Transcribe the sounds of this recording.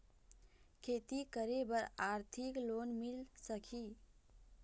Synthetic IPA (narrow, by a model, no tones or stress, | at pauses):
kʰet̪ikəɾebəɾaɾt̪ʰiklonmilsəkʰi